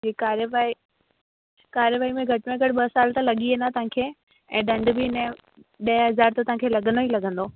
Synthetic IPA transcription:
iːkaːɾjəʋai | kaːɾjəʋaːimẽɡʱɐʈɪmẽɡʱɐɽɪɓɐsaːlt̪alɐɠiẽnd̪at̪ɐʋãːkʰeː | ɛ̃ːɗɐ̃ɳɖbɪɪnə | ɗɐɦɐzaːɾt̪at̪ɐɦãŋkʰeːlɐɠənoilɐɠə̃nd̪oː

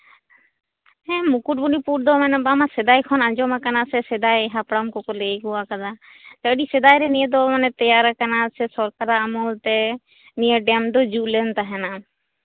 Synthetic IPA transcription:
ɛ̃mukuʈ̚bunipuɾd̪ɔmɛnɛbamasɛd̪ajkʰɔnad͡ʒɔmakanasɛsɛd̪ajɦapɽamkɔkɔlekuwakad̪a | t̪əɖisɛd̪ajɾɛnijəd̪ɔmanɛt̪ɛjaɾakanasɛsɔɾkaɾaːmɔlt̪ɛ | nijəɖɛmd̪ɔd͡ʒuʔlɛnt̪aɦɛna

